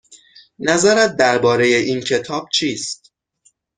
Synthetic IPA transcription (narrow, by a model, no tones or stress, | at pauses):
næzæɾæt̪̚d̪æɾbɒːɾe̞je̞ʔiːncʰe̞t̪ʰɒːb̥̚t͡ʃʰiːst̪̚